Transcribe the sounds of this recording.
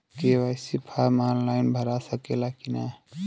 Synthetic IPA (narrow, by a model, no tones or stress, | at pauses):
keʋajsipʰaɾmanlaɪnbʱəɾasəkelakina